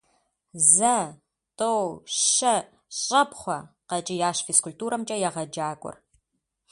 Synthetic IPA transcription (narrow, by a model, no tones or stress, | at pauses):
zɐ | tʰʼowɐ | ɕʼɐpχʷɔqɐt͡ʃʼɪjaːɕfeskʊltuːɾɐmt͡ʃʼɐjaʁɐd͡ʒaːkʷʼʊ̰r